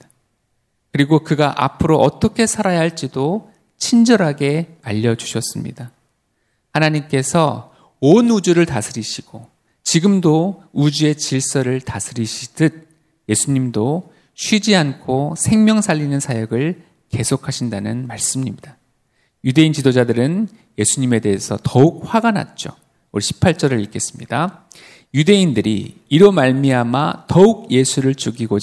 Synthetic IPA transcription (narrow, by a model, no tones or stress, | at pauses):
kɯɾiɡokɯɡaʔa̰pʰɯɾoʔʌt͈ʌkʰe̞sʰaɾajaɦaɭt͡ɕ͈ido | t͡ɕʰind͡ʑʌɾɦaɡe̞aʎːʌd͡ʑu̥ɕʰʌs͈ɯmɲḭda | hanaɲimk͈e̞sʰʌ | onud͡ʑuɾɯɭtasʰɯɾiɕʰiɡ̥o | t͡ɕiɡɯmdoud͡ʑue̞t͡ɕiɭs͈ʌɾɯɭtasʰɯɾiɕʰidɯd̚ | je̞sʰuɲimdo | ɕʰɥid͡ʑiankʰosʰe̞ŋmʲjʌŋsʰaʎːinɯnsʰajʌɡɯɭ | ke̞sʰokʰaɕʰindanɯnmaɭs͈ɯmɲimɲid̥a | jude̞int͡ɕidod͡ʑadɯɾɯn | je̞sʰuɲime̞de̞ɦesʰʌ̰tʌuk̚ɸwaɡanɦa̰t̚t͡ɕ͈o | oɭɕʰi̥pʰaɭt͡ɕ͈ʌɾɯɭik͈e̞s͈ɯ̥mɲida | jude̞indɯɾḭiɾomaɭmiama̰tʌuk̚je̞sʰuɾɯɭt͡ɕuɡiɡo